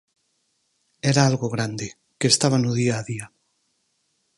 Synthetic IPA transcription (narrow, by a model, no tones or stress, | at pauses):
eɾaalɣoɣɾand̪e | keːst̪aβ̞anuðiaːðia